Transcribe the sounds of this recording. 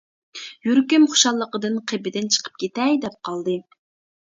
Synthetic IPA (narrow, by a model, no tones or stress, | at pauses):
jyɾkʲymχʊ̥ʃɑlˠːəqəd̪ɨnqʰebɪd̪ɪnt͡ʃʰə̥qʰə̥p̚kʲet̪ɛjd̪ɛp̚qʰɑlˠd̪ɨ